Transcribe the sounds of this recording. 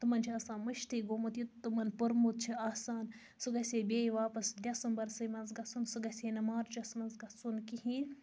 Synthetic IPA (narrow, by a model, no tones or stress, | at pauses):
t̪ɨmɐnt͡ʃʰiaːsãːnmɐʃt̪iːɡoːmut̪jut̪t̪ːɨmɐnpɨɾmut̪̚t͡ʃʰiaːsaːn | sɨɡɐsʲeːbʲeːjʋaːpɐsd̪ʲɐsunbɐɾsɨjmɐnzɡɐsunsɨɡɐsʲeːnɐmaːɾd͡ʒɐsmɐnzɡɐsunkihiːn